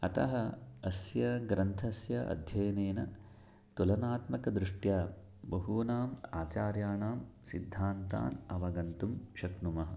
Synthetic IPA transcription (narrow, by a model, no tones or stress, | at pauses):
ɐt̪ɐɦɐɐsjɐɡɾɐnt̪ʰɐsjɐʔɐ̰d̪ʱjɐjɐneːnɐ | t̪ulɐnaːt̪mɐkɐd̪ɾuʂʈjaː | bɐɦuːnaːmaːt͡ʃaːɾjaːɳaːmsid̪ʱːaːnt̪a̰ːnɐʋɐɡɐnt̪umʃɐknumɐɦɐ̆